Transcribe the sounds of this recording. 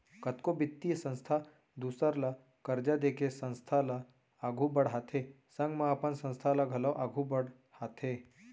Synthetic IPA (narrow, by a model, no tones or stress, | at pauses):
kət̪kobit̪ːijsə̃ñst̪ʰa | d̪usəɾla | kəɾd͡ʒad̪ekʰesə̃ñst̪ʰalaː | ɡʱubəɽɦat̪ʰe | sə̃ŋɡmãːpənsə̃ñst̪ʰalaɡʱələʋʔaɡʱubəɽ | hat̪ʰe